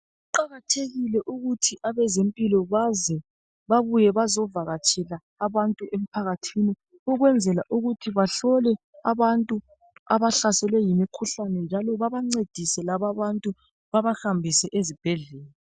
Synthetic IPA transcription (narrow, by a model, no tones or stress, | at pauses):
uǃaɣatʰeɣilɛʔuɣutʰiʔaβɛzempʼilɔβazɛ | βaβujɛβazɔvaɣat͡ʃʼʰɛlaːβantʼuʔem̩pʰaɣatʰini | uɣwɛnd͡zʱɛlaʔuɣutʰiβaɬɔlɛ | aβantʼu | aβaɬasɛlwɛjimikʰuɬanɛnd͡ʒʱalɔβaβaŋ͡ǀed̥ʱisɛlaβaβantʼu | βaβahambʱisɛʔezib̥ʱɛɮɛːla